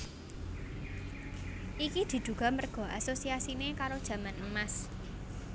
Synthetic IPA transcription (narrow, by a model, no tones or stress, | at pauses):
ʔikid̪̥i̤d̪̥uɡ̥a̤mərɡ̥ɔ̤ʔasosiasinekaɾod̥ʒ̥ä̤manəmas